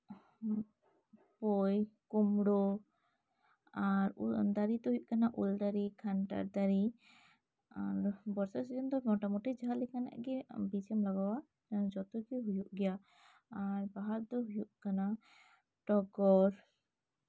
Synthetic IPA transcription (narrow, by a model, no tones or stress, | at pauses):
pɔjkumɽɔ | aɾud̪aɾit̪ɔɦujuʔkanaʔuld̪aɾikʰanʈa̰ɾd̪aɾi | aɾbɔɾsɔsid͡ʒɔnd̪ɔmɔʈamɔʈid͡ʒaɦalikana̰ʔɡɛbit͡ʃɛmlaɡawa | ad͡ʒɔt̪ukiɦujuʔɡɛja | aɾbaɦaɾd̪ɔɦujuʔkana | ʈɔɡɔɾ